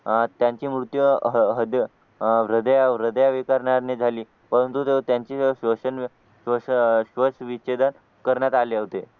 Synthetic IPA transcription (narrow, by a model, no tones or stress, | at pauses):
t̪jãɲt͡ɕiːmɾut̪jəɦəɦəd̪ | ɾəd̪əjaʋɾəd̪əjaʋikaɾɳaɾned͡zʱaliː | pəɾənt̪ut̪et̪jaɲt͡ɕiːɕʋəɕən | ʋəssʋəsʋit͡ɕed̪ən | kəɾɳjat̪aleɦot̪e